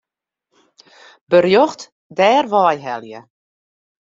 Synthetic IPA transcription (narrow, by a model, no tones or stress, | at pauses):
bərjɔχt | dɛːrʋɔɛjɦɛljə̰